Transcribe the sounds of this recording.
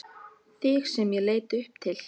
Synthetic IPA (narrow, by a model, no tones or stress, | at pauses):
θɪxsɛmjɛleːjt̪ʏhp̚t̪ʰɪl̥